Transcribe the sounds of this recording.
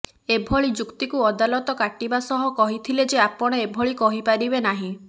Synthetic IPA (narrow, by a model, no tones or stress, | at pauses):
ebʱɔɭid͡ʒukt̪ikuɔd̪alɔt̪ɔkaʈibasɔɦɔkɔɦit̪ʰiled͡ʒeapɔɽ̃eebʱɔɭikɔɦipaɾibenaɦĩ